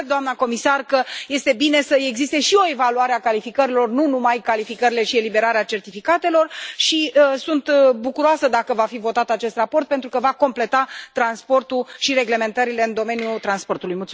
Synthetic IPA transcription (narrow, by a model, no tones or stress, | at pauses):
d̪oamnəko̞misarkəje̞st̪e̞bine̞səe̞ɡzist̪e̞ʃio̞e̞valuaɾe̞akalifikəɾilo̞rnunumajkalifikəɾile̞ʃie̞libe̞ɾaɾeat͡ʃe̞rt̪ifikat̪e̞lo̞rʃiəsunt̪bukuɾoasəd̪akəvafivo̞t̪at̪at͡ʃe̞st̪rapo̞rt̪̚pe̞nt̪ɾukəvako̞mple̞t̪at̪ɾanspo̞rt̪uʃiɾe̞ɡle̞me̞nt̪əɾile̞ɨnd̪o̞me̞nijut̪ɾanspo̞rt̪ulujmult̪u